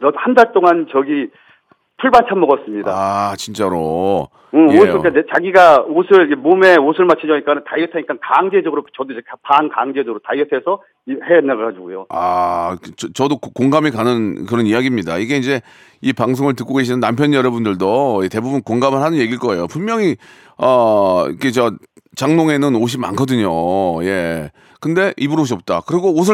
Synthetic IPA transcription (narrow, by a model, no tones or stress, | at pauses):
nʌhandaɭt͈oŋant͡ɕʌɡi | tʰuɭbant͡ɕʰamʌɡʌs͈ɯmɲidaat͡ɕint͡ɕ͈aɾo | ɯok͈anet͡ɕaɡiɡaosʰɯɭkemome̞osʰɯɭmat͡ɕʰid͡ʑʌɲik͈anɯntajɯtʰaɲik͈ankaŋd͡ʑe̞d͡ʑʌɡɯɾot͡ɕʌdoekapaŋkaŋd͡ʑe̞d͡ʑʌɡɯɾotajɯtʰesʰʌ | iheʌnːaɡɭad͡ʑiɡujoa | t͡ɕʌt͡ɕʌdokkoŋɡamikanɯnkɯɾʌnijaɡimɲida̰iɡe̞ind͡ʑe̞ | ipaŋsʰoŋɯɭtɯk͈oɡe̞ɕ̬ʰinɯnːampʰjʌnjʌɾʌbundɯɭdojete̞bubunkoŋɡamɯɭhanɯnje̞ɡiɭk͈ʌe̞jopunmjʌŋi | ʌikʰet͡ɕʌ | t͡ɕaŋnoŋe̞nɯnoɕ̬ʰima̰nkʰʌdɯɲoje̞ | kɯnde̞ʔibuɾoɕ̬ʰiʌp̚t͈akɯɾiɡoos̬ʰɯ